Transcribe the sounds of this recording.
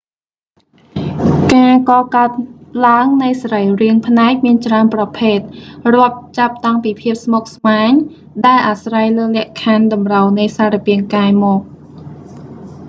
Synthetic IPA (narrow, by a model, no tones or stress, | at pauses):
kaːkɑːkaət̪̚laəŋnɨjsrəjriəŋpʰnaɛk̚miənt͡ɕraənprɑpʰeːt̪̚rŏəp̚t͡ɕap̚t̪aŋpiːpʰiəp̚smok̚smaːɲ | ɗaɛlʔasrajləːlɛ̆əʔkʰanɗɑmrəwnɨjsaːɾəpiəŋkaːmɔːk̚